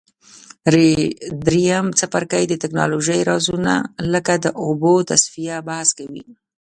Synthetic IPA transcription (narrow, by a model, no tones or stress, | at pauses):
ɾed̪ɾijamt͡sapaɾkajd̪ət̪ɪknɑloʒəjɾɑzuna̰ləkad̪əʔobot̪asfijabahaskawḭ